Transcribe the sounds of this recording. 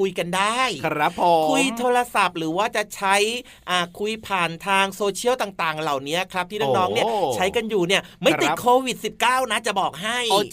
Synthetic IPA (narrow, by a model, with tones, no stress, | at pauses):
kʰu˧jka˧ndaː˥˩jpːkʰu˧jt̪ʰoː˧ɾa˧sa˨˩p̚ɾɯː˩˦waː˥˩t͡ɕa˨˩t͡ɕʰa˦˥j | ʔaː˨˩kʰu˧jpʰaː˨˩nt̪ʰaː˧ŋsoː˧t͡ɕʰi˥˩əwt̪aː˨˩ŋt̪aː˨˩ŋla˨˩wni˦˥ɐkʰɾa˦˥p̚t̪iː˥˩nɯː˥˩ŋnɔː˦˥ŋni˥˩ɐt͡ɕʰa˦˥jka˧njuː˨˩ni˥˩ɐma˥˩t̪i˨˦kʰoː˧wi˨˩t̪̚si˨˩p̚kaː˥˩wna˦˥t͡ɕa˨˩bɔː˨˩k̚ɦa˥˩j